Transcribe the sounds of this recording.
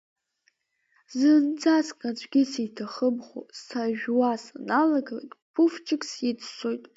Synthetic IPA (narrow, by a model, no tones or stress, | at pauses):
zɨnd͡zaskʼad͡ʒʷɡʲɪsitʰaχəbχʷo̰sʰaʒᶣwasanalaɡala̰tʼpʰuft͡ʃʰɪkʰʼsit͡sːʷʰojtʼ